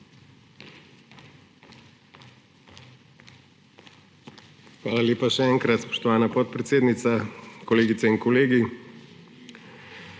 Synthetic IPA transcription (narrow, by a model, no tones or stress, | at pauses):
xʋaːlalʲjeːpaʃɛɛːŋkɾat̪spɔ̥ʃt̪ɔʋaːnapɔt̪̚pɾɛt̪seːd̪nit̪sakɔleːɡit̪sɛinkɔleːɡi